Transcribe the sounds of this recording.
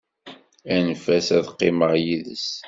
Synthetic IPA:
ænfæsæðqːɪməʁjiðə̰s

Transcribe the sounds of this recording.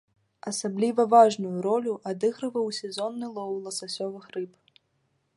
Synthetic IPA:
ɐsablʲivɐvaʐnujuɾɔlʲuʔad̪ɨɣɾɨvɐwsʲɛzɔnːɨlˠɔwlˠɐsasʲɔvɨxɾɨp

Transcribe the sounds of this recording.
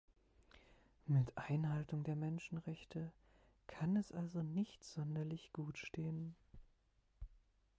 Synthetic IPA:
mɪtʔaɪnɦaltʊŋdeːɐmɛnʃn̩ʁɛçtʰə | kʰanɛsʔalzonɪçtz̥ɔndɐlɪçɡ̥uːtʃteːən

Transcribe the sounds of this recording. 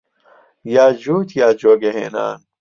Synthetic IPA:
jaːd͡ʑuːt̪jaːd͡ʑoːɡeɦḛːna̰ːn

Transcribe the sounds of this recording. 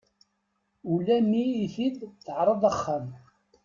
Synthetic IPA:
ulæmiːθid̪θəʕɾˤəðˤəχːam

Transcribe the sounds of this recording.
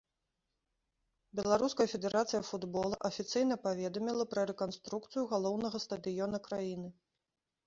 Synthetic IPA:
bʲɛlˠaɾuskɐjɐfʲɛd̪ɛɾat̪sɨjɐfud̪bɔlˠɐʔɐfʲit̪sɨjn̪ɐpavʲɛd̪ɐmʲilˠɐpɾɐɾɛkanst̪ɾukt̪sɨjuɣalˠɔwnɐɣɐst̪ɐd̪ɨjɔnɐkɾajinɨ

